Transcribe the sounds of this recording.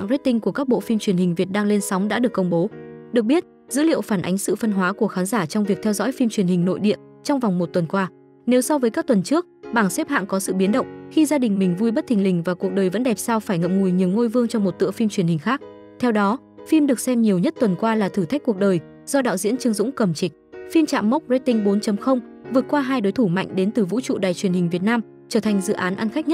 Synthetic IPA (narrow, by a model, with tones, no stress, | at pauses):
ŋze˦˥t̚t̪ï˧ŋ̟ku˧˩əkaː˦˥k̚ɓo̰˧˨fi˧mt͡ɕwi˧˩ənhï˨˩ŋ̟vi˨˩ət̚ɗaː˧ŋle˧nsɔ˨˦wŋ͡mɗa̰ː˧˥ɗɨ˨˩əkːə˧wŋ͡mɓo˨˦ɗɨ˨˩k̚ɓi˦˥ət̚ | zɨ̰˧˥lḭ˧˨əwfaː˧˩nʔa˨˦jŋ̟sɨ̰˧˨fə˧nɦwaː˨˦ku˧˩əxaː˨˦nzaː˧˩t͡ɕɔ˧wŋ͡mvi˨˩ək̚t̪ʰɛ˧wzɔ̰˧˥jfi˧mt͡ɕwi˧˩ənhï˨˩ŋ̟no̰˧˨jɗḭ˧˨əm | t͡ɕɔ˧wŋ͡mva˨˩wŋ͡mmo˨˩t̚t̪wə˨˩nkwaː˧ | ne˨˦wsɔ˧vəː˨˦jkaː˦˥k̚t̪wə˨˩nt͡ɕɨ˦˥ək̚ɓaː˧˩ŋsɛ˦˥p̚ha̰ː˧˨ŋkɔ˨˦sɨ̰˧˨ɓi˨˦nɗə̰˧˨wŋ͡mxi˧zaː˧ɗï˨˩ŋ̟mï˨˩ŋ̟vu˧jɓə˦˥t̚t̪ʰï˨˩ŋ̟lï˨˩ŋ̟vaː˨˩ku˨˩ək̚ɗəː˨˩jvə̰˧˥nɗɛ˨˩p̚saː˧wfaː˧˩jŋə̰˧˨m̚ŋu˨˩jɲi˨˩əwŋo˧jvɨ˧əŋt͡ɕɔ˧wŋ͡mmo˨˩t̚t̪ɨ̰˧˨əfi˧mt͡ɕwi˧˩ənhï˨˩ŋ̟xaː˦˥k̚ | t̪ʰɛ˧wɗɔ˨˦ | fi˧mɗɨ˨˩ək̚sɛ˧mɲi˨˩əwɲə˦˥t̚t̪wə˨˩nkwaː˧laː˨˩t̪ʰɨ˧˩t̪ʰa˦˥k̟̚ku˨˩ək̚ɗəː˨˩j | z̥ɔ˧ɗa̰ː˧˨wzḭ˧˥ənt͡ɕɨ˧əŋzʊ̰˧˥ŋ͡mkə˧˩mt͡ɕï˨˩k̟̚fi˧mt͡ɕa̰ː˧˨mːə˦˥k͡p̚ze˧˥t̪ï˧ŋ̟ɓo˨˦nt͡ɕə˨˦mxə˧wŋ͡m | vɨ˨˩ət̚kwaː˧ɦaː˧jɗo˨˦jt̪ʰu˧˩ma̰˧˨jŋ̟ɗe˨˦nt̪ɨ˨˩vṵ˧˥t͡ɕṵ˧˨ɗaː˨˩jt͡ɕwi˨˩ənhi˨˩ŋ̟vi˨˩ət̚naː˧m | t͡ɕəː˧˩t̪ʰa˨˩jŋ̟zɨ̰˧˨ʔaː˨˦nʔa˧nxa˦˥k̚ɲə˦˥t̚